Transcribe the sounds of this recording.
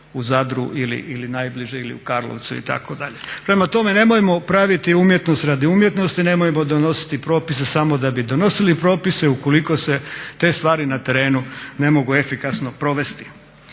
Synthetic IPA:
uzad̪ɾṵʔilḭʔilinajbliʒeilḭukaɾlˠo̰ʋt̪suḭt̪a̰kod̪aʎe̞pɾe̞mat̪o̞me̞ne̞mojemo̞pɾaʋit̪iumje̞t̪no̞st̪ɾaːd̪iumje̞t̪no̞st̪ine̞mojemo̞d̪ono̞si̥t̪ipɾo̞ːpise̞samo̞d̪abid̪o̞no̞silipɾo̞ːpiseuko̞liko̞se̞t̪e̞ːst̪ʋaːɾinat̪e̞ɾe̞ːnune̞mo̞ɡue̞fikasno̞pɾo̞ʋe̞st̪i̥

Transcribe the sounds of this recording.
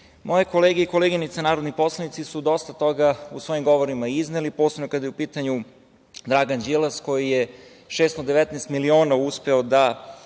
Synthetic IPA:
mo̞jeko̞leːɡeiko̞leɡinit̪senaːɾod̪nipo̞slˠanit̪sisud̪o̞st̪at̪o̞ɡausʋo̞imɡo̞ʋo̞ɾimaiznelipo̞slebnokad̪ajupiːt̪aɲu | d̪ɾaɡand͡ʒilˠasko̞jije | ʃest̪od̪eʋɛt̪nɛːst̪milio̞ːnauspe̞od̪a

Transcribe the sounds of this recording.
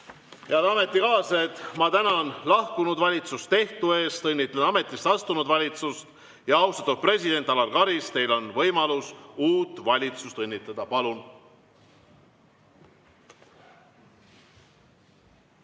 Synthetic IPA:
jɑd̪ɑme̞t̪ˑːikɑːset̪mɑt̪ænɑnlɑhkunud̪vɑlʲit̪sust̪t̪e̞ht̪ue̞ːst̪ɤnʲːit̪ːˑleɑme̞t̪ːˑist̪ɑst̪unud̪vɑlʲit̪sust̪ | jɑɑwst̪ɑ̥t̪ːud̪̚pre̞sʲid̪e̞nt̪ːˑɑlɑɾkɑɾist̪e̞jlo̞nvɤjmɑlusuːt̪ːˑvɑlʲit̪sust̪ɤnʲːit̪ːˑɑd̪̥ɑpɑlun

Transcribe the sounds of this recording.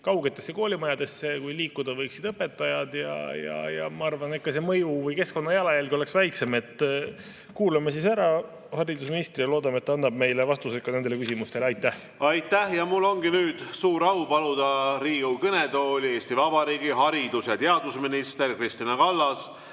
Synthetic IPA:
kɑwɡet̪ːˑe̞sːe̞ko̞ːlʲimɑjɑd̪e̞sːekujliːkːˑud̪ɑvɤjksid̪ɤpːe̞t̪ˑːɑjɑd̪̥jɑ̰jɑ̰jɑ̰mɑɑrvɑnetkːɑse̞mɤjuvɤjke̞sko̞nːɑjælɑjælɡio̞le̞ksvæjkse̞me̞t̪ːˑ | kuːlɑmes̬isæɾɑ | hɑɾid̪usminist̪riloːd̪ɑmet̪ːɑɑnːɑb̥̚me̞jlevɑst̪usekːɑne̞nd̪e̞le̞kysimust̪e̞leɑjt̪ːˑæh | ɑjt̪ːˑæhjɑmulːo̞ŋɡinyːd̪̥suːɾɑupɑlud̪̥ɑɾiːɡukɤned̪oːlʲe̞ːst̪ivɑbɑɾiːɡiɦɑɾid̪̥usjɑt̪eɑd̪usminist̪erkrist̪inɑkɑlːɑs

